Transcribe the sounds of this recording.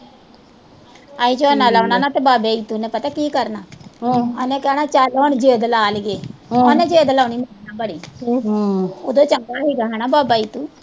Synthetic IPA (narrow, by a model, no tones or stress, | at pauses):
aːiːd͡ʒonaːlaːnaːnãːt̪eːbaːbeːiːt̪unɛ̃ːpət̪aːkiːkəɾnaːanɛ̃ːkɛːnaːt͡ʃaloːnd͡ʒeːd̪laːlɡeːanẽːd͡ʒeːd̪laːniːmənãːbəɽiː | oːd̪õːt͡ʃəŋɡaːɦeːɡaːɦɛːnaːbaːbaːiːt̪uː